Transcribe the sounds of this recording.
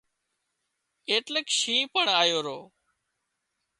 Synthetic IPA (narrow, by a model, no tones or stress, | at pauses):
eːʈləkʃĩːpəɳaːjoːɾoː